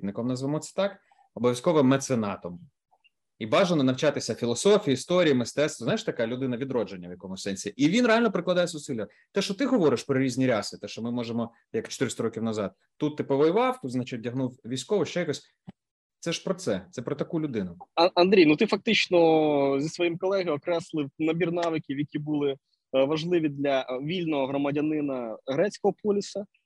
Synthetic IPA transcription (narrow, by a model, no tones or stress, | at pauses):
d̪nɪkɔmnɐzʋemɔt̪sɛ̥t̪ɑk | ɔbɔʋʲjɐskɔʋɪmːet̪senɑt̪ɔm | ibɑʒenɔnɐwt͡ʃɑt̪ɪsʲɐfʲilˠɔsɔfʲijiist̪ɔɾʲijimɪst̪ɛt̪st̪ʋɔzajʃt̪ɐkalʲʊd̪ɪnɐʋʲid̪ɾɔd͡ʒenʲːɐʋjɐkɔmʊsɛnʲsʲiʔiʋʲinɾealʲnɔpɾɪklˠɐd̪ajɛsʊsilʲjɐ | t̪ɛʃt͡ʃɔt̪ɪɦɔʋɔɾɪʃpɾɔɾʲizʲnʲiɾʲɑsɪt̪ɛʃt͡ʃɔmɪmɔʒemɔ | jɐkt͡ʃɔ̥t̪ɪɾɪsʲt̪ɐɾɔkʲiwnɐzɑd̪̥̚ | t̪ːut̪ːɪpɔʋɔjʊʋɑwt̪ut̪znɐt͡ʃɛdʲɐɦnuwʋʲijsʲkɔʋɔʃt͡ʃɛjɐkɔsʲ | t̪sɛʃpɾɔt̪sɛt̪sɛpɾɔt̪ɐkulʲʊd̪ɪnʊɐɐnd̪ɾʲijnut̪ɪfɐk̚t̪ɪt͡ʃnɔzʲisʋɔjimkɔlˠɛɦɐjɔkɾɛslˠɪnɐbʲirnɑʋɪkʲiwjɐkʲibulˠɪ | ʋɐʒlˠɪʋʲid̪lʲɐʋʲilʲnɔɦɔɦɾɔmɐdʲɐnɪnɐɦɾɛt͡sʲkɔɦɔpɔlʲɪsɐ